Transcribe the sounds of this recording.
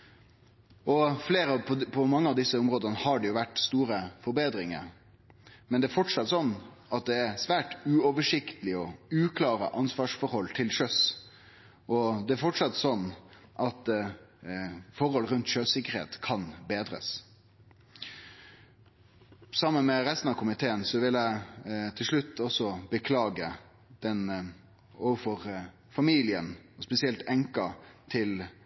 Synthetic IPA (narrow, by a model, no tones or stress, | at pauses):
ɔfleːɾəɔpʰɔmɑŋːəɑʋd̪ɪsːəʊmɾoːd̪ənəhɑɖɛjʊʋæʈst̪uːɾəfɔɾbeːd̪ɾɪŋə̰ɾ | mɛnd̪ɛæɾfɔʈʂɑt̪ːsɔnː | ɑt̪̚d̪ɛæɾsʋæːʈʉːɔʋəʂɪkt̪əlɪɔʉːkʰlɑːɾə̰ʔɑnsʋɑːʂfɔɾhɔlːt̪ʰɪlʃœs | ʔɔd̪ɛæɾfɔʈʂɑt̪ːsɔnːʔɑt̪ | fɔɾhɔlɾʉnt̪ʃøsɪkːəɾhḛːt̪kʰɑnbeːd̪ɾə̰s | sɑmːənmɛɾɛst̪nɑʋkʰʊmɪt̪ʰeːənsɔʋɪlæɪt̪ʰɪlʂɭʉt̪ːɔsɔbəkʰlɑːɡə | d̪̥ɛn | oːʋəfɔʁ | fɑmiːlɪənɔspɛsɪɛlt̪ɛŋkɑt̪ʰɪl